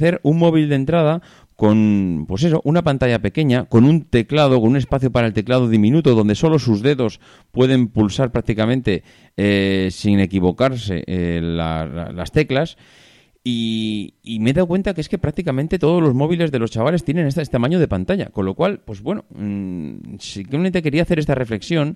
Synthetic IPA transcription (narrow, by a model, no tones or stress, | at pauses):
θe̞ɾuŋmo̞β̞ild̪e̞nt̪ɾað̞a | ko̞npwo̞se̞so̞ʔunapant̪aʝape̞ke̞ɲako̞nunt̪e̞klað̞o̞konũne̞spaθjo̞paɾaelt̪e̞klað̞o̞ðimĩnut̪oðo̞nd̪e̞so̞lo̞suzðe̞ðo̞s | pwe̞ð̞e̞mpulsaɾpɾak̚t̪ikamẽ̞nt̪e̞ | esine̞kiβ̞o̞kaɾse̞̰ʔela̰sla̰la̰st̪e̞klas | i | ime̞ðawkwe̞nt̪akeeske̞pɾak̚t̪ikamẽnt̪e̞t̪o̞ð̞o̞zlo̞zmo̞βile̞zðe̞lo̞st͡ʃaβale̞st̪je̞nẽ̞nesest̪amãɲo̞ðe̞pant̪aʝa̰ko̞nlo̞kwalpwe̞zβwe̞no | sikement̪e̞ke̞ɾiaθeɾest̪are̞fle̞ksjõ̞n